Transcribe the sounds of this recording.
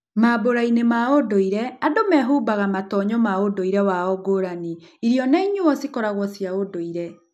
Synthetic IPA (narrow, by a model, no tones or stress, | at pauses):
maboɾainemaodoiɾɛadomɛɦuːbaɣamatɔɲɔmaodoiɾɛwaɔɡoɾaniiɾjɔnaiɲuɔsikɔɾaɣwɔsjaodoiɾɛ